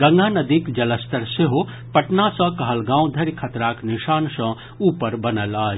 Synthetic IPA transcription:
ɡɐ̃ŋɡʱanɐd̪ikd͡ʒɐləst̪ɐɾseɦo | pɐʈnasɐ̃kɐɦɐlɡãːw̃d̪ʱɐɾkʰɐt̪ɾaːknɪʃaːnsɐ̃ | uːpəɾbɐnəlaːd͡ʒ

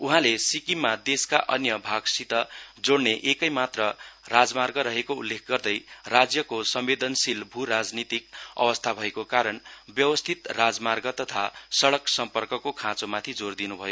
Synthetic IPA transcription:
uɦãlesikimːad̪eskaʔʌ̰njʌbʱaɡsit̪ʌd͡zoɽneʔekʌjmat̪rʌrad͡zmarɡʌɾʌɦekoulːekʰɡʌrd̪ʌjrad͡zjʌkosʌmbed̪ʌnsilbʱuɾad͡znit̪ikʌ̰wʌst̪ʰabʱʌekokaɾʌnbjʌwʌst̪ʰit̪rad͡zmarɡʌt̪ʌt̪ʰasʌɽʌksʌmpʌrkʌkokʰãt͡somat̪ʰid͡zord̪inubʱʌjo

